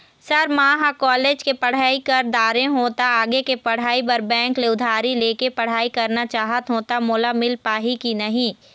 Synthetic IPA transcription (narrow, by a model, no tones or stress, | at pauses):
sɐɾmãːɦakɔːleːd͡ʒkepɐɽ̤aːikɐɾd̪aːɾẽɦoːt̪aaːɡekepɐɽ̤aːipɐɾbɛ̃ːŋkleʊd̪ʱaːɾileːkepɐɽ̤aːikɐɾnat͡ʃaːɦət̪ɦoːt̪amʊːlamɪlpaːɦikinɐɦĩ